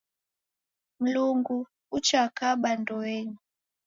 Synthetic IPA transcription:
m̩luŋɡu | ut͡ʃakaɓandɔɛɲi

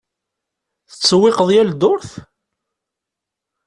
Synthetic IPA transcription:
θə̥t͡sːəwːɪqəðˤjæld̪ʊɾθ

